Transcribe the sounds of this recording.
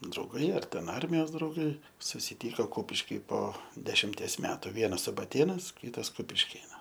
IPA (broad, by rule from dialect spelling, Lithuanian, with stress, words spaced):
drɐʊˈɡɐɪ ɐr tʲɛn ˈɐrʲmʲɪjoːs drɐʊˈɡɐɪ sʊsʲɪˈtʲiːkoː ˈkʊpʲɪʃʲkʲɪ poː dʲɛʃʲɪmʲˈtʲiɛs ˈmʲæːtʊ ˈʋʲiɛnɐs sʊbɐˈtʲeːnɐs ˈkʲiːtɐs kʊpʲɪʃʲˈkʲeːnɐs